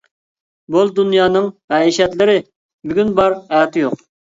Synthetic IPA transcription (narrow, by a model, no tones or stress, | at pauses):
bolˠd̪unjɑːnɨŋmɛiʃɛt̪lɪɾɪ | byɡʲynbɑɾɛːt̪ʰjoq